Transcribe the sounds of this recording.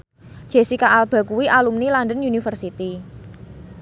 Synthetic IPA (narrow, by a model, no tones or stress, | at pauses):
ʒ̥e̤sikaʔalb̥ä̤kuwiʔalumnilandənjunifərsit̪i